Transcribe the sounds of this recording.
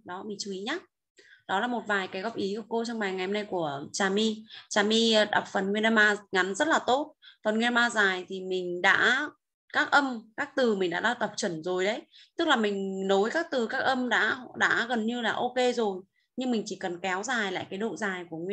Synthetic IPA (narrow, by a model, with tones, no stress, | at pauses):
ɗɔ˨˦mï˨˩ŋ̟t͡ɕu˨˦i˨˦ɲaː˦ | ɗɔ˨˦laː˨˩mo˨˩t̚vaː˨˩jkaː˨˦jɣɔ˨˧˩p̚ʔi˨˦ku˧˩ko˧t͡ɕɔ˧ŋ͡mɓaː˨˩jŋa˨˩hə˧na˧jku˧˩ət͡ɕaː˨˩mi˧t͡ɕaː˨˩mi˧ɗa˨˩wk͡p̚fə˨˩nŋwi˧na˧maː˧ŋa˨˦nzə˦˥t̚laː˨˩t̪o˦˥t̚fə˨˩nŋwi˧na˧maː˧zaː˨˩jt̪ʰi˨˩mï˨˩ŋ̟ɗa̰ː˧˥ | kaː˦˥k̚ʔə˧mkaː˦˥k̚t̪ɨ˨˩mï˨˩ŋ̟ɗa̰ː˧˥ɗaː˧˩t̪a˨˩wk͡p̚t͡ɕə˧˩nzo˨˩jɗə˨˦jt̪ɨ˦˥k̚laː˨˩mï˨˩ŋ̟no˨˦jkaː˦˥k̚t̪ɨ˨˩kaː˦˥k̚ʔə˧mɗa̰ː˧˥ɗa̰ː˧˥ɣə˨˩nɲɨ˧laː˨˩ʔo˧ke˧zo˨˩j | ɲɨ˧ŋmï˨˩ŋ̟t͡ɕi˧˩kə˨˩nkɛ˨˦wzaː˨˩jla̰ː˧˨jkaː˨˦jɗo̰˧˨zaː˨˩jku˧˩əŋw